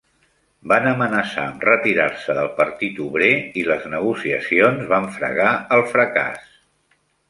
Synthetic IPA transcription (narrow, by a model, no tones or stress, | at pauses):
banəmənəsa̰əmrət̪iɾarsəðəlˠpəɾt̪it̪uβɾeiləznəɣ̞usiəsionzβaɱfɾə̰ɣaəlˠfɾəka̰s